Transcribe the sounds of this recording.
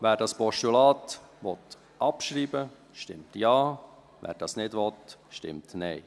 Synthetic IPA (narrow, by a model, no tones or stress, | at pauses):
ʋæːɾdɑspɔʃtulɑːt̪ʋɔt̪ | ʔɑpʃɾiːbə | ʃtɪmtjɑː | ʋæ̰ːɾd̥ɑsnɪdʋɔt̪ʃtɪ̰mtnɛɪ